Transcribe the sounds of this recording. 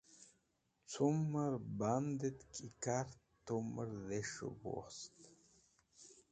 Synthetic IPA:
t͡sʰuməɾband̪et̪kʰʼikaɾt̪oməɾðeʂo̰bo̰st̪

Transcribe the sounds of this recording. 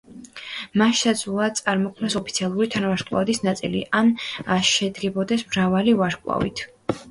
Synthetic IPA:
maʃsad̪zulˠat̪sʼaɾmɔkʰmnasɔpʰit̪sʰialˠuɾit̪ʰanavaɾkʼlˠa̰vd̪isnat̪sʼḭlḭʔanaʃɛd̪ɡɛbɔd̪ɛsmɾavalivaɾkʼlˠa̰vḭt̪ʰ

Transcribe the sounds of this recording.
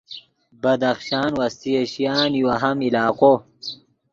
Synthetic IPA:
bɐd̪ɐxɕaːnwɐst̪ieɕijaːnjuɐɦɐmilaːqo

